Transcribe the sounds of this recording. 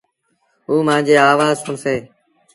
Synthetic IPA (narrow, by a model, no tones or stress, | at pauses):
ɦuːmãːnd͡ʒeːaːʋaːzʊɳseː